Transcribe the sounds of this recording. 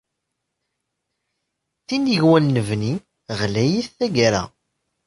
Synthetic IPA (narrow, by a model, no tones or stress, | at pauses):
θiniʝwænːəvni | ʁlæjiθːæɡaɾæ̰